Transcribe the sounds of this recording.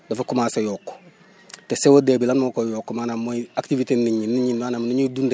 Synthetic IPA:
dɐfakumaːsejoːkːo̥ | tesewodebilanmokojoːkːomaːnamːoaktivitenːiɲinːiɲinmaːnamniɲudunde

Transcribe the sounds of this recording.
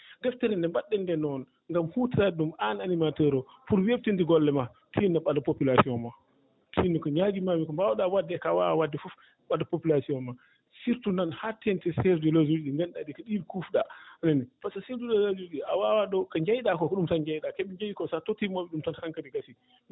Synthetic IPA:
dɛftɛɾɛndɛmbaɗːɛndɛnɔn | ŋɡamhutiɾadumananimatɛɾɔ | puɾweb̚tintiɡɔlːɛma | tʰinːaɓadapopilasiɔnma | tʰinikɔɲaɡimamikɔmbawaɗawadːɛkawa̰awadːɛfuf | ɓadapopilasiɔnma | siɾtunanhatʰːɛntɛsɛɾdɛlozuɾɗiŋɡɛnɗadikaɗilkufɗananipasasiɾdulɛlod͡ʒuɾɗiʔawawaɗɔkaɲd͡ʒajɗakɔkɔɗumsand͡ʒajɗakeɓiɲd͡ʒajikɔsatɔtimɔɓɛɗumtanhaŋkadiɡasi

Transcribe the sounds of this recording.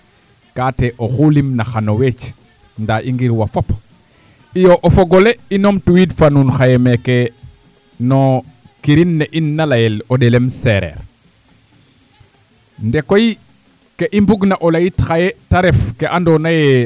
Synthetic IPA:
kaːteʔoxulimnaxanowet͡ʃ | ndaʔiŋɡiɾwafop | ijoʔofoɡoleinomtuwidfanunxajemeke | no | kiɾinːeʔinːalajelodelemseɾḛɾ | ndekoj | keʔimbuɡnaʔolajitxajetaɾefkeʔandonaje

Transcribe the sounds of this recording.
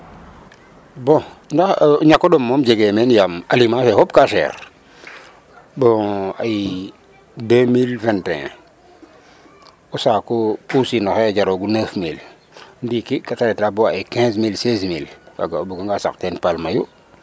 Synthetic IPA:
bõndaxɲakːodomːomd͡ʒeɡemenjamalimãːfehop̚kaʃḛːɾ | bõaji | demilvɛntḛ̃ | usakopusinoxeɟaɾoɡunefmil | ndikikataɾetaboaikɛ̃ːs̬milses̬milka̰ɡabuɡaŋɡasa̰ktenpalmaju

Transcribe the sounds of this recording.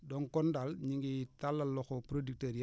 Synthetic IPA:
dɔŋkɔndalɲiŋɡitalːɐlːɔxopɾodik̚teɾi

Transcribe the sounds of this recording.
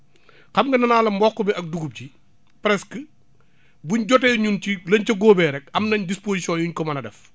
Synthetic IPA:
xɐmŋɡɐnɐnaːlɐmbɔkːubiʔɐk̚duɡup̚ɟi | pɾɛskə | buɲɟɔtɛːɲuncilɐɲcɐɡoːbɛɾɛkɐmnɐɲdispoːsisjɔnjuɲkɔmɐnɐdɛf

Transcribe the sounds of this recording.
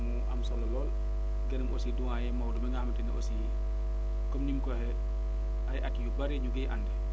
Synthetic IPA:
muʔa̰msɔlːɔlɔl | ɡɛnmʔosiduwajɛmawɗɔmɛŋɡamtɛna̰ʔosijɛ | kɔmnimkɔhɛ | ajʔatijubaɾɛɲuɡɛjʔa̰nːdɛ

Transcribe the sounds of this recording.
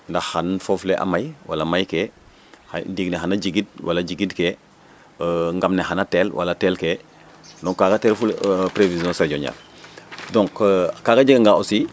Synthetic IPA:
ndahanfofleʔa̰majwa̰lamajke | handiɡneɦanad͡ʒiɡid̚wa̰laɟiɡidkeː | ŋɡamnehanateːlwa̰latelkeː | dɔ̃ŋkːakateːɾfulpɾevizjõnsaɟoɲa̰l | dõŋkkaːkad͡ʒiɡŋɡaosi

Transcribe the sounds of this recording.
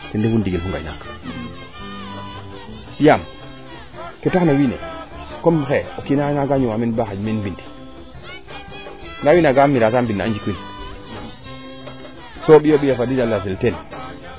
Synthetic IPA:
tɛndefundiɡilfuŋɡa̰jna̰kḁ | ɓijam | ketahnawiːnḛkomxɛokinanaɡaɲiwaminbahad͡ʒmenbindi̥ | nawinaɡamːiɾatambinːaand͡ʒikin | soɓjoɓijafadid͡ʒalːaselten

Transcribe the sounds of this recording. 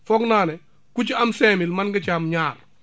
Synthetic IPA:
fɔknaːnɛ | kut͡ʃiamseːmilmanɡɐt͡ʃamɲaːɾ

